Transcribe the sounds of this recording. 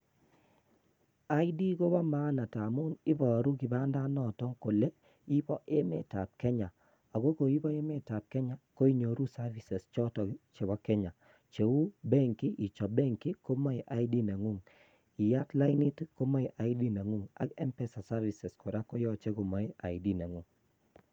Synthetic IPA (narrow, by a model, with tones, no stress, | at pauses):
a˨˦ɪ˦di˦ko˦ba˦ma˦na˨ta˨mʊ˦nɪ˦bɔ˨ɾu˦ki˨ba˦nda˦nɔ˨tɔ˦ŋko˨le˦ | i˦bɔ˦ʔe˦mḛ˨ta˨p̚kɛ˦ɲa˨ | a˨ɡo˦ko˨i˦bɔ˦e˦me˦ta˨p̚kɛ˦ɲa˨ko˦i˦ɲo˨ɾu˦sa˦ɾvi˨sɛ˨st͡ʃɔ˦tɔ˨ki˦t͡ʃe˨bɔ˦kɛ˦ɲa˨ | t͡ʃe˨wu˦bɛ˦ŋki˦ʔi˨t͡ʃɔ˨bɛ˦ŋki˦ko˦mɔ˦ɪ˨ʔa˦ɪ˦di˦na˨ŋu˦˨ŋ | i˨ja˦tla˦ɪ˦ni˦tko˦mɔ˦i˨ʔa˨i˦di˦na˨ŋu˦ŋa̰˦kɛ˦mpɛ˦sa˨sa˦ɾvi˨sɛ˨sko˨ɾa˦ko˦jɔ˦t͡ʃe˦ko˨mɔ˦ɪ˦a̰˨ɪ˨di˦na˨ŋu˦˨ŋ